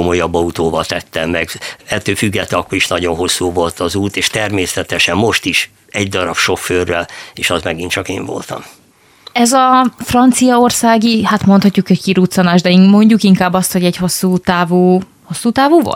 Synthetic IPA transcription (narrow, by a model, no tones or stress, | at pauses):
omo̞jɒbːɒut̪oːvɒt̪ɛt̪ːɛmːɛɡɛt̪ːøːfyɡːɛt̪ːɛɒkːoɾiʃnɒɟo̞nɦo̞sːuːvo̞lt̪ʰɒzuːt̪eːʃt̪ɛrmeːsɛt̪ɛʃɛmːo̞ʃt̪iʃ | ɛɟd̪ɒɾɒpʃo̞fːøːrːɛleːʃɒzmɛɡint͡ʃɒkeːɱvo̞̰lt̪ɒ̰m | ɛzɒfrɒnt̪sijɒorsaːɡihat̪mo̞nt̪hɒcːukhɛckiɾut̪sonaːʒd̪ɛimo̞ɲɟukiŋkaːbːɒst̪ho̞ɟɛcho̞sːuːt̪aːvuː | ho̞sːuːt̪aːvuːvo̰lt̪